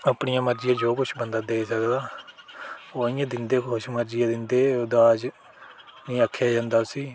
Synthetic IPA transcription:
əpɳijãːməɾd͡ʒɪjãːd͡ʒoːkʊt͡ʃʰbənd̪aːd̪eːsəkd̪aː | oːɪjãːd̪ɪnd̪eːkoʃməɾd͡ʒɪjãːd̪ɪnd̪eːʊd̪aːd͡ʒ | nĩːəkʰːjaːd͡ʒãːnd̪aːsiː

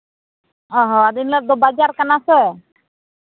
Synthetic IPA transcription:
ɔɦɔad̪inlad̪ɔbad͡ʒaɾkanasɛ

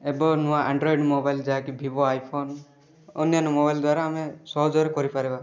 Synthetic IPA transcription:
ebɔnuwaʔaɳɖɾɔiɖmɔbajld͡ʒaɦakibʱibɔajpʰon | ɔ̰njanɔmɔbajld̪waɾaːmesɔɦɔd͡ʒɔɾekɔɾipaɾeba

